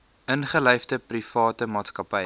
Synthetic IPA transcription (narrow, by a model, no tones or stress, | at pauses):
ənχəlœjfdəprifɑːtəmɑːtskɐpəj